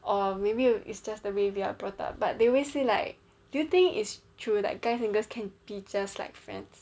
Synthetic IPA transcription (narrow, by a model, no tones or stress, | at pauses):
ʔɔmebiḭtsd͡ʒasdəwewia̰bɹɔta̰p̚b̥at̚deɔweselaɪk̚ | dujut̪ɪ̃ŋkḭtstʰɹuda̰t̚ɡ̥aɪsɛ̃ŋɡəskʰɛ̃nbit͡ʃd͡ʒasla̰ɪkfɹɛ̰̃ns